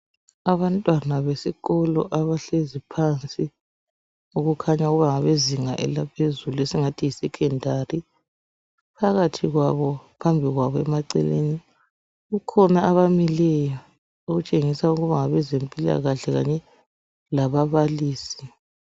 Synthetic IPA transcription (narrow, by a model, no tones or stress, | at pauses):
aβantʼwanaβesiɣɔlɔ̰ʔaβaɬezipʰant͡sʼi | uɣukʰaɲauɣuβaŋaβeziŋaʔɛ̰lapʰezuluɛsiŋatʰijisɛkʰɛndʱari | pʰaɣatʰiɣwaβɔpʰambʱiɣwaβɔɛmaǀɛ̰lḛni | ɣukʰɔnaːβamilɛjɔ | oɣut͡ʃʼeŋisauɣuβaŋaβɛzempʼila̰ɣaɬɛɣa̰ɲɛ | laβaβaliːsi̥